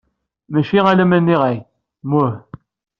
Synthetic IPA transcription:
mæʃiʁælæmænːiʁæj | mu

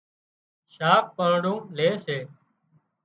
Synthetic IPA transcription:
ʃaːk̚pəɳɽũːleːseː

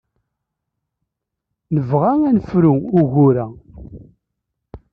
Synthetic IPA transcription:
nəvʁaŋænəfɾuʊɣʊɾæ

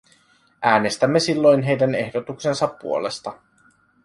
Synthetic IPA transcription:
ʔæːne̞st̪æmːe̞silːo̞jnɦe̞jdæne̞hdo̞t̪ukse̞nsɑpːṵole̞st̪ɑ

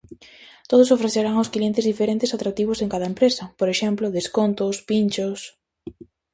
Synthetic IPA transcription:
t̪oð̞ʊsofɾeθeɾaŋʊsklient̪ɪzðifeɾent̪ɪsat̪ɾak̚t̪iβ̞ʊseŋkaðɐempɾesɐpoɾeʃɛmplʊðeskont̪ʊspint͡ʃos

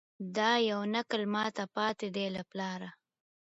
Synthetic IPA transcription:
d̪ɑjawnakəlmɑt̪apɑːt̪ed̪elaplɑɾa

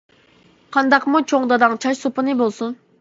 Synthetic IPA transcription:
qʰɑnd̪ɑqmut͡ʃʰoŋd̪ɑd̪ɑŋt͡ʃʰɑʃsopɨnɨbolˠsun

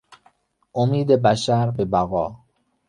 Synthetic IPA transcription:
ʔomiːd̪ebæʃæɾbebæɣɒː

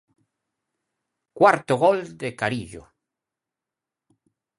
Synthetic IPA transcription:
kwaɾt̪oɣold̪ekaɾiʎo̰

